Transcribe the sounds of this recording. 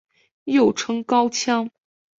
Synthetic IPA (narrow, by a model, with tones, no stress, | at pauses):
jo˥˨˩ʊʈ͡ʂʰɤ˥ŋkɑ˥ʊt͡ɕʰjɑ˥ŋ